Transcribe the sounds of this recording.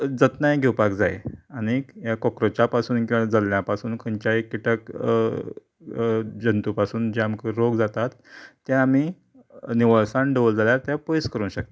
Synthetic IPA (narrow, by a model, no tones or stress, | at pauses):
d͡zət̪najɡʱewpakd͡zaḛañijakɔkɾət͡ɕapasuːnkĩʋãd͡zalljapasuːnkʰəɲt͡ɕaekːiʈək | d͡ʑənt̪upasuːnd͡ʑeamkəɾoɡd͡zat̪at̪ː | jãːm̤i | niʋaɭsãɳɖeʋold͡zʱaljaɾt̪japojskəɾũnɕək̚t̪e̥